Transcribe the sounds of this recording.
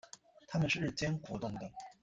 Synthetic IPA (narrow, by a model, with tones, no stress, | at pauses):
t̪ʰa˥mə˨nʂɻ̩˥˩ɻ̩˥˩t͡ɕjɛ˥nxwɔ˧˥t̪ʊ˥˩ŋd̪ə˩